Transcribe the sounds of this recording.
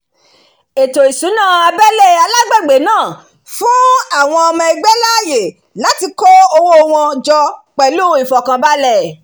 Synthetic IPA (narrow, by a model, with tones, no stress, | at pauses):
e˨to˨i˨sũ˨˦nãː˦˨a˧bɛ˦lɛ˦˨a˧la˦ɡ͡bɛ˦˨ɡ͡be˨˦nãː˦˨ | fũ˦a˦˨w̃ɔ̃˧ɔ˧mã˧i˧ɡ͡bɛ˦la˦˨je˨ | la˨˦ti˧kɔ˦o˧wo˦˧w̃ɔ̃˧d͡ʒɔ˧k͡pɛ˨˦lu˦i˨fɔ˨kã˨ba˦lɛ˦˨